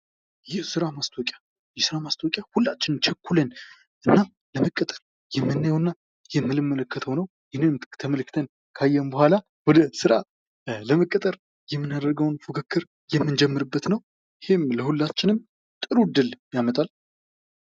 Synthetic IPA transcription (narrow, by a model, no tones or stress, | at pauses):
jɛhsɨɾamast̪ʰokʼja | jɛsɨɾamast̪ʰokʼjahulːat͡ʃːɪnɨnt͡ʃʰɛkːulən | ʔɨnːa | ləməkʼːət̪ʼəɾ | jɛmːɨnːajɛwɨnːa | jɛmːɨlɨmːələkʰːət̪ʰəonəw | jɪnemt̪ʰəməlɨkʰːɨt̪ʰən | kʰajːɛmbəhʷala | wɔd̪əsɨɾa | ləməkʼːət̪ʼəɾ | jɛmːɨnad̪əɾɡəwnfukʰɨkʰːɨɾ | jɛmːɨnd͡ʒɛmːɨɾɨbːət̪nəw | ɪhemləhulːat͡ʃːɪnɨm | t̪ʼɨɾud̪ːɨljamət̪ʼal